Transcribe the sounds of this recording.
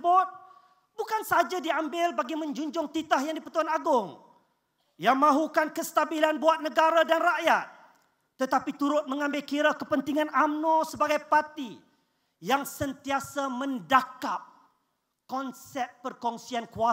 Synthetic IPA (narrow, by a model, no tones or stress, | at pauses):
bʊt̪̚ | bukansəad͡ʒadiambɪlbaɡimə̃ɲd͡ʒuɲd͡ʒʊŋt̪it̪ahjaŋdipət̪uanaɡʊŋ | jaŋmãɦukankəst̪abilanbuat̪̚nəɡaɾadanraʔjat̪̚ː | ət̪apit̪uɾʊt̪̚mə̃ŋãmbɪlkiɾakəpənt̪iŋãnamnõsəbaɡajpart̪i | jaŋsənt̪iasamə̃ndakap̚ | kɔnsɛt̪̚pərkɔŋsiankua